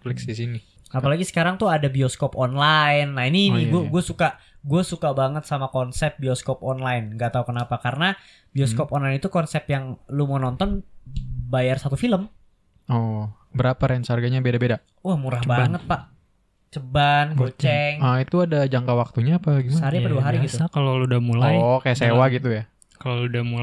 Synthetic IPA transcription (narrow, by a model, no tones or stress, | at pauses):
plɛksdisini | apalaɡisə̥kaɾaŋt̪uadabiɔskɔpɔnlajnːaininiɡuaɡuasuka | ɡuasukabaŋət̪samakɔnsɛp̚bioskɔpɔnlaɪnŋɡaʔt̪aukənapakaɾəna | bioskɔpɔnlainit̪ukɔnsɛpjaŋlumənɔnt̪ɔn | bajarsat̪ufiləm | ɔ | bəɾapaɾɛnsəarɡaɲabedabeda | wahmuɾahbaŋət̪̚paʔ | t͡ʃəbanɡot͡ʃɛŋait̪uadad͡ʒaŋkawak̚t̪uɲaːpaɡimasɦaɾiapaduaɦaɾiɡit̪ukaloludahmulaɔjkajasewaɡit̪uja | kaloludamu